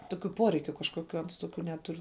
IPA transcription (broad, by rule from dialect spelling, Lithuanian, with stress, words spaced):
ˈtoːkʲʊ ˈpoːrʲɛɪkʲʊ kɐʃkoːˈkʲʊ ˈɐns ˈtoːkʲʊ ˈnʲæːtʊr